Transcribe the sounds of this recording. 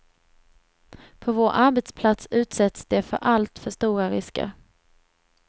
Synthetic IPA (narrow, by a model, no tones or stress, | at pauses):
pʰɔvoːɾʔaɾbɛt̪spʰlat̪sʉ̟ːt̪sɛt̪sd̪̥ɛfœ̰ɾʔalt̪fœʂt̪uːɾaɾɪskə̰ɾ